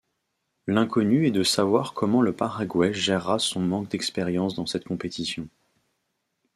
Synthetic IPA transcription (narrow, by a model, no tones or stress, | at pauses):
lɛ̃kʰɔnyɛd̪əsavwaʁkʰɔmɑ̃ləpaʁaɡwɛʒɛʁːasɔ̃mɑ̃k̚d̪ɛkspɛʁjɑ̃sd̪ɑ̃sɛt̪kɔ̃pet̪ʰisjɔ̃